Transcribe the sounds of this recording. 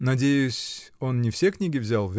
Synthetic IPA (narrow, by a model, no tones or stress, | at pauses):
nɐdʲejʊsʲo̞nnʲɪfsʲeknʲiɡʲɪvzʲalˠvʲ